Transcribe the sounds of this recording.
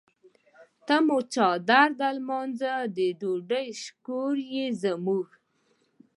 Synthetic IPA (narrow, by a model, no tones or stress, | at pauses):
t̪amot͡ʃɑd̪aɾd̪almɔnzad̪əɖoɖəjʃkoɾjezamuɡ